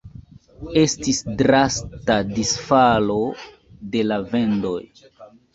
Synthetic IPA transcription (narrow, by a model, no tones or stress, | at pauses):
e̞stisdɾastadisfalo̞ | de̞lave̞ndo̞̰j